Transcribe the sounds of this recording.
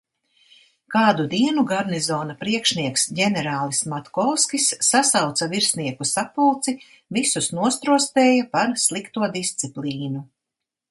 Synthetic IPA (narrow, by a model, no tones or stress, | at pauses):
kaːd̪ud̪iɛnuɡaɾnizɔːnapɾiɛkʃniɛksɟɛnɛɾaːlˠismat̪kɔwskisːasawt̪saviɾsniɛkusapulˠt̪si | visusnuɔst̪ɾuɔst̪ɛːjapaɾslˠikt̪uɔd̪ist̪sipliːnu